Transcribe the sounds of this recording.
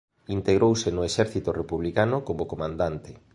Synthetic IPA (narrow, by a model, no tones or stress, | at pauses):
int̪eɣɾowsɪnʊeʃɛɾθit̪ʊrepuβlikanʊkomokomãnd̪ant̪ɪ